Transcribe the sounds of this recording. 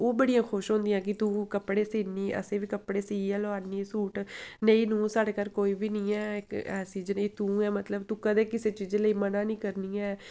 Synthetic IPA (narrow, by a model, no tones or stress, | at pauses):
oːbəɽijãːkʰʊʃɦõːnd̪ɪjãːk̬ɪt̪ũːkəpːɽeːsiːniːʔə̰sẽːʋiːkəpɽeːsiːɛːloaːniːsuːʈnəiːnũːsaːɽeːkəɾkoːiːbiːnĩːɛːkɛːsiːd͡ʒnəiːt̪ũːɛːmət̪ləbt̪ũːkəd̪eːkɪseːt͡ʃiːzləiːmənãːnĩːkəɾniːɛː